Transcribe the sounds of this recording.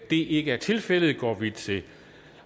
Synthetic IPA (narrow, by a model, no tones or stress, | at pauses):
d̥e̝ʔe̝ɡ̥əæɐt͡sʰe̝lfel̰ð̞̩ˠɡ̥ɒ̰ːʋid̥t͡sʰe̝